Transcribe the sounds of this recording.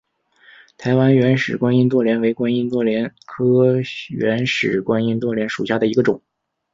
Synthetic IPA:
t̪ʰa˧˥ɪwa˥nɥɛ˧˥nʂɻ̩˨˩kwa˥ni˥nt̪̬wɔ˥˩ljɛ˧˥nwe˧˥ɪkwa˥ni˥nt̪wɔ˥˩ljɛ˧˥nkʰɤ˥ɥɛ˧˥nʂɻ̩˨˩kwa˥ni˥nt̪wɔ˥˩ljɛ˧˥nʂu˨˩ɕja˥˩d̪ə˩i˧˥ɡə˧ʈ͡ʂʊ˨˩˦

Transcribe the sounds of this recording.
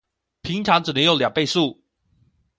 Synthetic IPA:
pʰi˧˥ŋʈ͡ʂʰɑ˧˥ŋʈ͡ʂɻ̩˨˩nə˧˥ŋjo˧˥ʊljɑ˨˩ŋpe˥˧ɪsu˥˩

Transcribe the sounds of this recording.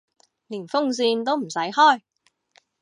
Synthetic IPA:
liː˨˩nfʊ˥ŋsiː˧nt̪o˥wm̩˨˩sɐ˨˥jhɔː˥˩j

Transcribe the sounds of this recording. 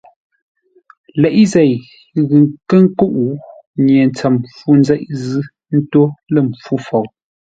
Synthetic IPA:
lɛ˨ʔi˦zɛ˨j | ɣʉ˨ŋkə˦ŋ˦ko˦ʔu˨ | ɲje˨n˨t͡sa˨mfu˦n˦zɛ˦ʔzɨ˦ | n̩˦to˦lə˦˨m˨p͡fu˦fɔ˨w

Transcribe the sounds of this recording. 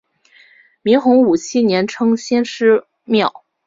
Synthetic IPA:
mi˧˥ŋxʊ˧˥ŋu˨˩t͡ɕʰi˥njɛ˧˥nʈ͡ʂʰɤ˥ŋɕjɛ˥nʂɻ̩˥ | mjɑ˥˩ʊ

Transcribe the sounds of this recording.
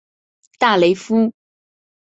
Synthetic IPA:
t̪a˥˩le˧˥ɪfu˥

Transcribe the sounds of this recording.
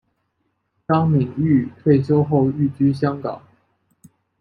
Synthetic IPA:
tɑ˥ŋmi˨˩ŋy˥˨t̪ʰwe˥˩ɪɕ̬jo˥ʊxo˥˧ʊy˥˩t͡ɕy˥ɕ̬jɑ˥ŋkɑ̰˨˩˦ŋ

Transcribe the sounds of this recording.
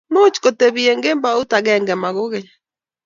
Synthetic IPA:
no˦t͡ʃi̥ko˨te˨βiɛ˨ŋɡe˦mba˨o˦ta˨ɣɛŋɡɛ˨ma˨ɣo˦ɣe˨ɲa

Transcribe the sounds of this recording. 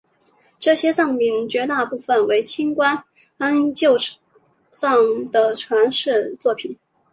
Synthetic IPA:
ʈ͡ʂɤ˥˩ɕjɛ˥t͡sɑ˥˩ŋmi˧˥nt͡ɕɥɛ˧˥t̪a˥˧pu˥˩fə˨˩nwe˧˥ɪt͡ɕʰi˥nkwa˥n | a˥nt͡ɕjo˥˧ʊ | t͡sɑ˥˩ŋd̪̥ə˨ʈ͡ʂʰwa˧˥nʂɻ̩˥˧t͡swɔ˥˩pʰi˨˩˦n

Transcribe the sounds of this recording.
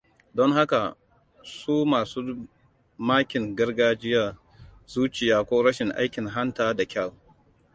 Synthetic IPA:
dɔ˦ŋɦa˦ka˨ | suː˦maː˨suː˦ | maː˦kʲɪ˨ŋɡɐ˦rɡaː˦d͡ʒɪ˦ja˨ | zuː˦t͡ʃɪ˨jaː˦kʷoː˦ɾɐ˦ʃɪ˨ŋʔa̰˦jkʲɪ˨ŋɦa˦ntaː˦da˨kʲɐ˦˨l

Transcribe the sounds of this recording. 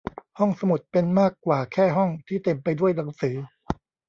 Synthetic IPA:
hɔ˥˩ŋsa˧mu˨˩t̪̚pe˧nmaː˥˩kːwaː˨˩kʰɛː˥˩ɦɔ˥˩ŋt̪ʰiː˥˩t̪e˧mpa˧jdu˥˩əjna˩˦ŋsɯː˩˦

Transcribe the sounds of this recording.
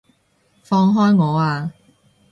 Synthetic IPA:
fɔː˧ŋɦɔː˥jŋɔː˨˧aː˧

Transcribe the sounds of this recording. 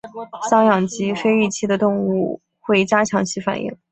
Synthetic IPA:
ɕɑ˥ŋjɑ˨˩ŋt͡ɕi˥fe˥ɪi˥˩t͡ɕʰi˥˩d̪ə˨t̪ʊ˥˧ŋu˥˧ | xwe˥˩ɪt͡ɕja˥t͡ɕʰjɑ˧˥ŋt͡ɕʰi˥fa̰˨˩nʔḭ˥˩ŋ

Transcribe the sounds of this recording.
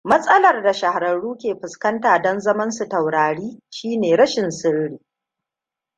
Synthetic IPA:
mɐ˦sʼɐ˦lɐ˨rda˨ʃɐ˨ha˨ɾɐ˨ɽuː˦kʲeː˨ɸɪ˨skɐ˦ntaː˨dɔ˦nzɐ˦mɐ˦nsu˨tɐ˨wɽaː˨ɽiː˦ʃiː˦neː˨ɾɐ˦ʃɪ˨nsɪ˦ɽɽiː˨

